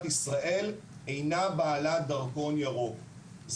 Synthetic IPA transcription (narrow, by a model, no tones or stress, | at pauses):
t̪isʁaʔe̞l | ejnabaːlad̪ɐʁko̞njaʁo | z